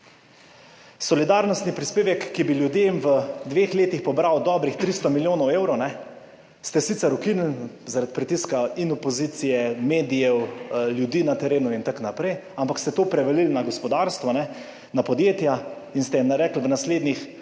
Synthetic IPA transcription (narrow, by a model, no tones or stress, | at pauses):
sɔlid̪aːɾnɔst̪nipɾispeːʋɛkːibiljud̪jemʋəd̪ʋeːxleːt̪ixpɔbɾawd̪ɔːbɾixt̪ɾiːst̪ɔmiljoːnɔweːwɾɔwnɛ | st̪ɛsit̪sɛɾukinlzaɾat̪pɾit̪iskainɔpɔziːt̪sijɛmeːd̪ijɛwljud̪iːnat̪ɛɾeːnuint̪aknapɾɛjampakst̪ɛt̪oːpɾɛʋɛlilnaɡɔspɔd̪aɾst̪ʋɔnɛ | napɔd̪jeːt̪jainst̪ɛjimnaɾɛːkl̩ʋənasleːd̪nix